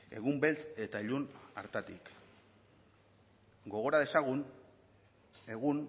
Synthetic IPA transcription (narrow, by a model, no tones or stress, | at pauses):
e̞̰ɣumbe̞lt͡s̪e̞t̪aiʎuna̰ɾt̪at̪ik | ɡo̞ɣ̞o̞ɾað̞e̞saɣun | e̞ɣun